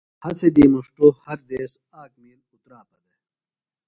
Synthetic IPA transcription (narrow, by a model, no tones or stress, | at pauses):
hɐsed̪iːmuʂʈoːhɐɾd̪eːs | aːkmiːlut̪ɾaːpɐd̪ɐ